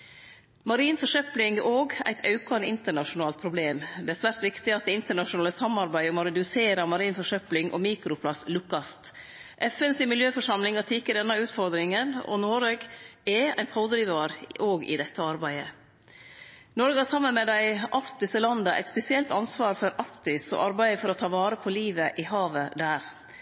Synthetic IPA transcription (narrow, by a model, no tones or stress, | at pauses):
mɑɾiːnfɔʂœplɪŋɡoːɡæ̰ɪt̪ʰɑʉkɑnəɪnt̪əɳɑʃʊnɑːlt̪̚pʰɾʊbleːmd̪ɛæɾsʋæːɾt̪ʋɪkt̪ɪɑt̪̚d̪ɛɪnt̪əɳɑʂʊnɑːləsɑmɑɾbæɪɔmɔɾɛd̪ʉseːɾɑmɑɾiːnfɔʂœplɪŋʔɔ̰miːkɾʊpʰlɑslʉkːɑst̪ | ʔɛfɛnsɪmɪljøːfɔʂɑmlɪŋɑt̪ʰɪkːəɖ̪ɛnːɑʉːt̪fɔɾd̪ɾɪŋənɔ̰noːɾɛɡɛæ̰ɪnpʰɑʊd̪ɾiːʋɑɾoːɡɪ̰d̪ɛt̪ːəɑɾbæɪə | nɔɾɡɑsɑmːənmɛd̪æɪʔɑɾt̪ɪsəlɑnd̪ɑʔɛ̰ɪt̪spɛsɪɛlt̪ɑnsʋɑːɾfɔɾʔɑɾkt̪ɪsɔ̰ʔɑɾbæɪəfɔɾɔt̪ʰɑːʋɑːɾəpʰɔliːʋəʔɪhɑːʋəd̪æːɾ